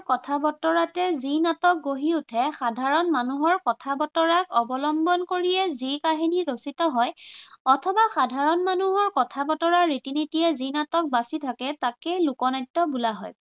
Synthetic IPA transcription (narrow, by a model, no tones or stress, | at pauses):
kɔtʰabɔtɔɹatɛzinatɔk̚ɡoɦiutʰɛxadʱaɹɔnmanuɦɔɹkɔtʰabɔtɔɹakɔbɔlɔmbɔnkoɹijɛzikaɦiniɹositɔɦɔjɔtʰɔbaxadʱaɹɔnmanuɦɔɹkɔtʰabɔtɔɹaɹetinitiɛzinatɔk̚basitʰakɛtakejlukɔnajtːɔbulaɦɔj